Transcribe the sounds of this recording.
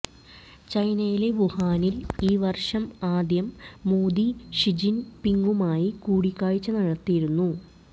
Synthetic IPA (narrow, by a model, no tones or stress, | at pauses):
t͡ɕɐjnɐjile̞ʋuhaːniliːʋɐrʂɐmaːd̪jɐmːoːd̪iɕid͡ʑinpiŋɡumaːjikuːɽikʲːaːɻit͡ɕːɐnɐɻɐt̪ːijiɾunːu